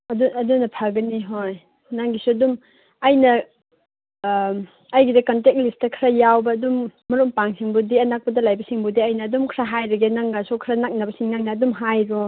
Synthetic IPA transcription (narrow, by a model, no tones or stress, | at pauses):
ɐduɐdunɐpʰaɡɐniɦoj | naŋɡisuɐdum | ɐjnɐ | jɡidɐkantek̚listɐkʰɾɐjawbɐːdumːɐɾompaŋsiŋbudiɐnak̚pɐdɐlajbɐsiŋbudiɐjnɐːdumkʰɾaɦajɾɐɡenaŋɡasukʰɾanak̚nɐbɐsiŋnaŋnɐːdumɦajɾo